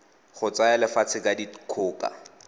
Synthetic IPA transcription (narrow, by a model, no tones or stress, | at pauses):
χʊt͡saɛlɪfat͡sʰɪkʼadikʰʊːkʼa̰